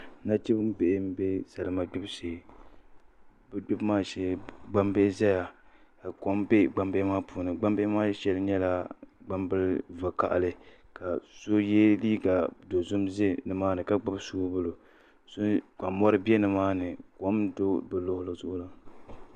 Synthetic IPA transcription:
na˦t͡ʃi˦bɨ˦m˦be˦ʔɪ˦m̩˦be˦sa˨lɨ˨ma˦ɡ͡bʊ˦bse˨ | bɨ˦ɡ͡bʊ˦bmaː˦ʃɛ˨ɡ͡ba˦mbe˦ʔɪ˦za˦ja˨ | ka˨ko˨˦m˦bɛ˦ɡ͡ba˨˦mbɛ˦maː˦puː˨nɨ˨ɡ͡ba˦mbe˦ʔmaː˦ʃɛ˦lɨ˦ɲɛ˦la˦ɡ͡ba˦mbɨ˦lva˨ka̰˨ʔlɨ˦ | ka˨so˦jɛ˦liː˦ɡa˨do˨zʊ˦mze˦nɨ˨maː˦nɨ˨ka˦ɡ͡ba˦bsu˦bʊ˦lo˨ | so˦nka˨mɔ˦ɾɨ˦bi˦ɛ˦nɨ˨maː˦nɨ˨ko˨˦mdo˦bɨ˨lʊ˦hʊ˦lɨ˦zʊ˦ʔʊ˦la˨

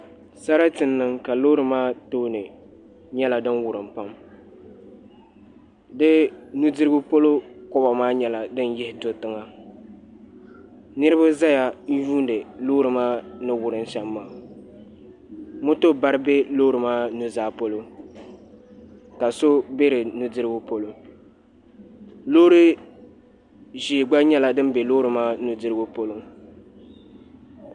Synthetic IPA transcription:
sa˦ɾa˦tɨ˨nːɨ˨ŋka˨lo˦ɾɨ˨maː˦toː˦nɨ˨ | ɲɛ˦la˨dɨ˦nwʊ˨ɾɨ˨mpa˦m | dɨ˦nu˦dɨ˦ɾɡʊ˦po˦lo˦kɔ˦ba˨maː˦ɲɛ˦la˨dɨ˦njɛ˦hɪ˨to˨tɨ˦ŋa˦ | nɨ˦ɾɨ˦ba˦za˦ja˨˦juː˦ndɨ˨lo˦ɾɨ˨maː˦nɨ˦wʊ˨ɾɨ˦n˦ʃɛ˦mːaː˨ | mʊ˦to˦ba˦ɾɨ˦be˦lo˦ɾɨ˨maː˦nu˦zaː˦po˦lo˦ | ka˨so˦be˦ɾɨ˨nu˦dɨ˦ɾɨ˦bʊ˦po˦lʊ˦ŋ | loː˦ɾɨ˦ | ʒiː˨ɡ͡ba˦ɲɛ˦la˨dɨ˦n˦be˨lo˦ɾɨ˨maː˦nu˨dɨ˦ɾɨ˦bʊ˦po˦lʊ˦ŋ

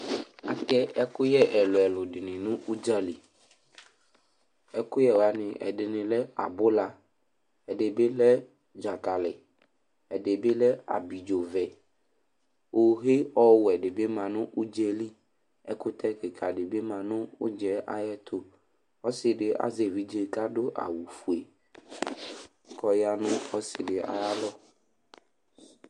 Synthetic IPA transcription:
a˨kɛ˦ɛ˦kʊ˦jɛ˦ʔɛ˨lʊ˨ɛ˨lʊ˨ɖɪ˨nɪ̃˨nʊ̃˦ʔu˦d͡ʒa˦li˨ | ɛ˦kʊ˦jɛ˦wa˨nɪ̃˨ʔɛ̰˨ɖɪ˨nɪ̃˨lɛ˦a̰˨bʊ˦la˦ | ɛ˨ɖe˨be˦lɛ˦ | d͡ʒa˨ka˨lɪ˨ | ɛ˨de˨be˦lɛ˦a̰˨bi˨d͡ʒo˨vɛ˨ | o˨ɦe˦ɔ˦wʊ˨ɛ˨ɖe˨be˦mã˨nʊ̃˦ʔu˦d͡ʒɛ˦li˦ | ɛ̰˦kʊ˦t̪ʰɛ˦kɪ˨kʰa˨ɖe˨be˦mã˨nʊ̃˦ʊ̰˦d͡ʒɛ˦ʔa̰˦jɛ˦t̪ʰʊ˦ | ɔ˦sɪ˨ɖɪ˨ʔa̰˦ze˨vi˦d͡ʒe˦ka˦ɖo˦ʔa̰˨wu˨fu˨e˨ | kʰɔ˨ja˦nʊ̃˦ɔ˦sɪ˨ɖɪ˨a̰˨ja˦lɔ˦

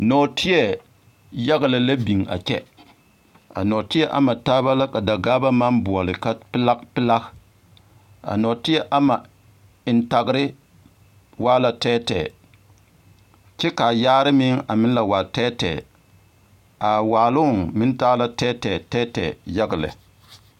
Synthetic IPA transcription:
nɔ˨tɪ˦jɛ˨ | ja˦ɡlɨ˨la˦bi˨ŋa̰˨t͡ʃɛ˦ | a̰˨nɔ˨tɪ˦ɛ˦ʔa̰˨ma˨taː˦ba˦la˦ka˨da˨ɡaː˦ba˦ma˦nbʊ˨ɔ˨lɪ˨ka˦pɪ˦la˦kpɪ˦la˦k | a̰˨nɔ˨tɪ˦ɛ˦ʔa˦ma˨ | ɪ˨n˦ta˨ɡɾɪ˦ | waː˦la˨tɛː˦tɛ˨ | t͡ʃɛ˦ka˨jaː˦ɾɪ˦mɪ˦ŋa˨mɪ˦n˦la˨waː˨tɛː˦tɛ̰˨ | a˨waː˨lʊ˦˨ŋmɪ˦n˦ta˦la˦tɛː˦tɛː˨tɛː˦tɛ̰˨ja˦ɡɪ˨lɛ̰˨

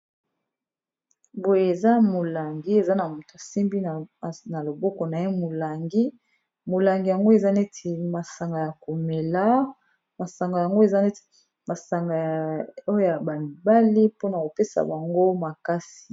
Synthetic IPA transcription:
bo˨je˨e˨za˦mo˨la˨ŋɡi˦e˨za˦na˨mo˨to˨a˨si˦mbi˦n˨na˨lo˨bɔ˦kɔ˨na˨je˦mo˨la˨ŋɡi˦ | mo˨la˨ŋɡi˨ja˨ŋɡo˦e˨za˦ne˦tʰe˨ma˨sa˨ŋɡa˨ja˨ko˨me˨la˦ | ma˨sa˨ŋɡa˨ja˨ŋɡo˦e˨za˦ne˦te̥˨ | ma˨sa˨ŋɡa˨o˦jo˦ja˨ba˨mi˨ba˦li˦po˦na˨ko˨pe˦sa̰˨ba˨ŋɡo˦ma˨ka˦si̥˨

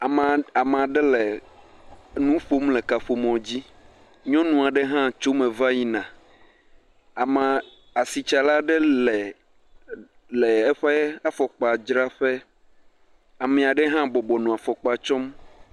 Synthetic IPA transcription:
a˨a˨me˨a˨ɖɛ˦le˨ | nũ˦ɸo˦mlɛ˨ka˨ɸo˨mɔ̃˨d͡ʑi˦ | ɲɔ̃˦nũ˨a˨ɖɛ˦ɦã˦t͡ʃo˦mẽ˨va˦ɲi˦nã˨ | a˨ma˨ | a˨si˨t͡ʃa˨la˦ɖɛ˦lɛ˨ | lɛ˨ɛ˦ɸɛ˦a˦fɔ˨k͡pa˨d͡ʒɾa˦ɸɛ˦ | a˨mɛ̃˨a˨ɖɛ˦ɦã˦bɔ˨bɔ˨nũ˨a˨fɔ˨k͡pa˨t͡ʃɔ˦m

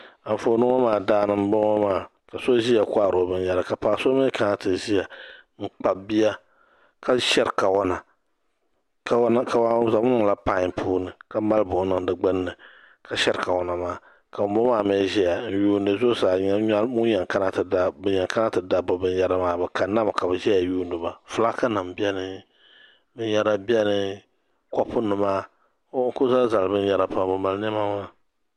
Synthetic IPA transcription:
a˨ɱ˨fo˨˦nɨ˦a˦maː˦˨daː˦nɨ˦m̩˦bo˦a˦maː˦˨ | ka˨so˦ʒi˦ja˨kʷa˦˨ɾo˨bɨ˦n˦ja˦ɾa˨ka˨paː˨so˦me˦ka˦ŋa˦tɨ˨ʒi˦ja˨ŋ͡m̩˦k͡pa˨bi˦ja˦ | ka˦ʃɛ˦ɾka˨wɔ˦na˨ | ka˨˦ka˨wa˦za˨˦m˦ɨ˦ŋ˨la˦pa˦˨pʰuː˦nɨ˨ka˦ma˦lbʊ˨˦nɨ˦ŋdɨ˨ɡ͡bɨ˦nːɨ˨ | ka˨ʃɛ˦ɾɨ˨ka˨wɔ˨na˨maː˦˨ | ka˨bbɔ˦maː˦˨mɛː˦ʒɛ˦ja˨n̩˦juː˦nɨ˦zo˦saː˨ɲa˦ɲa˦mu˦ɲɛ˨ŋ˨ka˦na˦ta˦bɲɛ˨ŋka˦na˦tɨ˨da˦bɔ˨bɨ˦n˦ja˦ɾa˦maː˦ba˨ka˨˦na˦m˨ka˨bɨ˨ʒɛ˦ja˨juː˦ndɨ˨ba˨fʊ˨la˦ka˦na˨mbi˦ɛ˦nɨ˦ | bɨ˦n˦jɛ˦ɾa˦bi˦ɛ˦nɨ˦ | kɔ˦pʊ˦nɨ˨maː˦ | ŋ̩˦kʊ˦za˦za˨lbɨ˦n˦jɛ˦˨ɾa˨pa˨˦˨bɨ˨ma˨ln˦ɛ˦ma˦maː˦

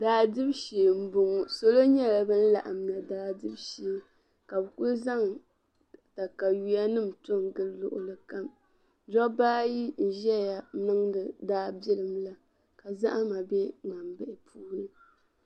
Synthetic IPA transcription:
daː˨dɨ˦bʃe˨m̩˨bʊ˨ŋ˨so˦lo˦ɲɛ˦la˨bɨ˦n̩˦la̰˨ʔa˨mla˨daː˦dɨ˦bʃe˨˦ | ka˨bɨ˨kʊ˦lza˦ŋ | ta˨ka˨ji˨ja˦nɨ˦m̩˨tʊ˦ŋɡɨ˦lːʊ̰˦ʔʊ˨lɨ˨ka˦m | d͡ʒɔ˦baː˦ji˦n̩˨ʒɛ˦˨ja˨nɨ˦ŋdɨ˨daː˦bɛ˦lɨ˨mla˦ | ka˨za˦ʔa˦ma˨bɛ˦ŋa˨mbɪ˦˨ʔɪ˨pʰuː˦nɨ˦

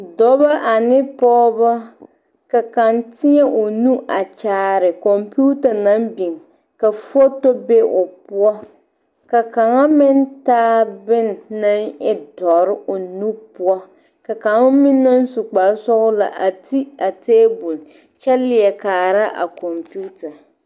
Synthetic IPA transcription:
dɔ˨˦ba˦ʔa˨nɪ˦pɔː˦ba˦ | ka˨ka˨ntɪ˦ɲɛ˦ʔo˨nu˦ʔa˨t͡ʃaː˨ɾɪ˨kɔ˨mpu˦ta˨na˦mbi˨ŋ | ka˨fo˦to˦be˦ʔʊ˨pʊ˦ɔ˦ | ka˨ka˨ŋa˦mɪ˦ntaː˦bɪ˦nː˨a˦ŋɪ˦dɔ˨ɾɪ˦ʔo˨nu˦pʊ˦ɔ˦ | ka˨ka˨ŋa˦mɪ˦nːɔ˦n˦su˨k͡pa˨lsɔ˦ɣʊ˦la̰˨ʔa˨ti˦a˨teː˦bu˨l | t͡ʃɛ˦lɪ˨ɛ˨kaː˨ɾa˦ʔa̰˨kɔ˨mpu˦ta˨

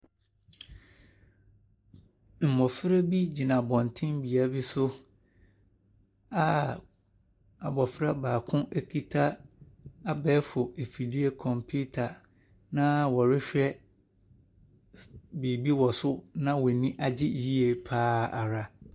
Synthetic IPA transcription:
m̩˨mɔ˨fɪ˦ɾe˦bi˦d͡ʑi˨nã˨bɔ̃˨n˨tʰɪ̃˦mbi˨a˨bi˦sʊ˦ | a˨ | a˨bɔ˨fɪ˦ɾa˦baː˨kʰʊ̃˦ʔe˦kʰi˦tʰa˦ | a˦bɛː˦fʊ˨e˨fi˨di˦e˦kʰɔ̃˨mpʰu˦tʰa˨ | nã˦wɔ˨ɾɪ˦ɕᶣɛ˦ | biː˨bi˦wɔ˨sʊ˦nã˦wɔ˨nĩ˦ʔa˨d͡ʑɪ˦ji˦e˨pʰaː˦a˨ɾa˨

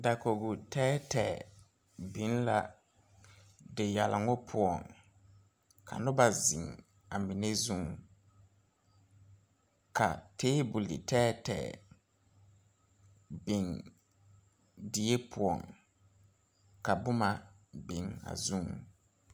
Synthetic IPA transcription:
da˨ko˨ɡʊ˨tɛː˦tɛː˨ | bi˨˦n˦la˦ | dɪ˨ja˨la˨ŋʊ˦pʰʊ˨ɔ˨ŋ | kʰa̰˨nʊ˦ba˨zḭ˨ŋ | a˨mi˨ne˦zũ˦ŋ | kʰa̰˨teː˦bʊ˨lḭ˨tɛː˦tɛ̰ː˨ | bi˨ŋ | dɪ˨je˦pʰʊ˨ɔ̰˨ŋ | ka˨bʊ˦ma˨ | bɪ˨ŋa̰˨zũ˦ŋ

